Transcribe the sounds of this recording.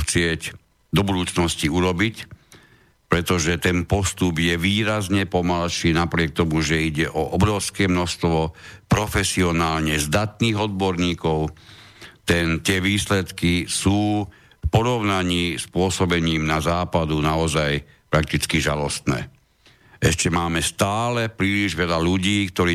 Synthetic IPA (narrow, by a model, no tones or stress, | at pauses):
xt͡sɪɛc | d̪ɔbud̪uːt͡snɔsciuɾɔbic | pɾɛt̪ɔʒɛt̪ɛnpɔst̪ubjɛʋiːɾazɲɛpɔmalʃiːnapɾɪɛk̚t̪ɔmuʒɛiɟɛʔɔʔɔbɾɔʊskɛːmnɔst̪ʋɔpɾɔfɛsiɔnaːlɲɛzd̪at̪niːɣɔd̪̚bɔɾɲiːkɔʊ | t̪ɛnt̪ɪɛʋiːslɛt̪kisuː | fpɔɾɔʊnaɲiːspʊɔsɔbɛɲiːmnazaːpad̪unaɔzaj | pɾak̚t̪it͡skiʒalɔst̪nɛ̰ː | ɛʃcɛmaːmɛst̪aːlɛpɾiːliʒʋɛʎaluɟiːkt̪ɔɾiː